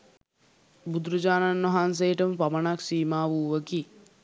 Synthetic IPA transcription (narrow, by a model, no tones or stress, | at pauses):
bud̪ɾud͡ʒaːnanʋaɦans̬ejəʈəməpamənaksiːmaːʋuːʋəki